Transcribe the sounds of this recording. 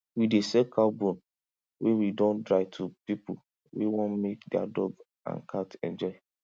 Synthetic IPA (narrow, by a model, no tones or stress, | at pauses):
widesɛkʰabõn | wʔewidɔ̃ndɹaɪtʰupipu | wewɔ̃nmek̚dɛa̰dɔɡ | ã̰nkʰatɛ̰̃nd͡ʒɔɪ